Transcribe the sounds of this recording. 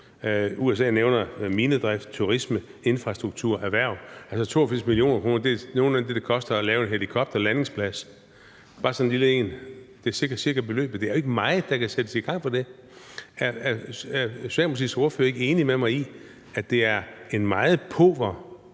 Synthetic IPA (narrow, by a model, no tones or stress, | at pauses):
ues̬ɛ̰ːneʊnɐmiːnəd̥ʁɛfd̥̚t͡sʰuʁismə | e̝nfʁɑ̈sd̥ʁuɡ̥̚t͡sʰuɐ̰ʔæʋæɐ̰ælsɒt͡sʰo̝̰ːɐfiɐ̰smilio̝̰ːnɐkʰʁo̝ːnɐd̥e̝no̝ːnæd̥e̝d̥ekʰɒ̽sd̥ɐːlɛːʊe̝nɦelikʰɒ̽b̥d̥ɐlæne̝ŋspʰlæs | b̥ɑ̈ːsɒ̽nnliləe̝̰ːnd̥e̝æɐsiɐɡ̥ɐ̥siɐɡ̥ɐd̚b̥e̝lø̰ːb̥̩ˠd̥e̝æɐoe̝ɡ̥əmɑ̈ːɪð̩ˠd̥ɑ̈kʰæsed̥əsiɡ̥ɑ̈ŋ̰fɒ̽d̥e̝ | æɐæɐæɐsæ̰̥mɒ̽s̬ḭso̝ɐføɐe̝ɡ̥əe̝ːnimemɑ̈ɪi | æd̥e̝æɐe̝nmɑ̈ːð̞̩ˠpʰɔ̰ːʋɐ